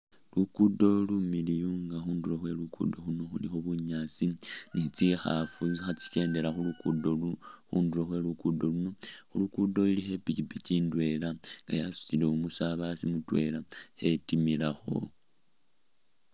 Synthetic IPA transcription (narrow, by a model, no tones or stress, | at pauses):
lukudo̞lumilijuŋɡaxuːnduloxwe̞lukṵdo̞xuno̞xulixoβuɲaːt͡sinit͡sixa̰fut͡sixat͡si̥ce̞ːnde̞laxulukudoxṵːnduɾoxwe̞lukudo̞luno̞xulukudo̞ilixe̞picipiciːndwe̞laŋɡa̰jasu̥cile̞umusaβasimutwe̞lahe̞timilaxo̞̰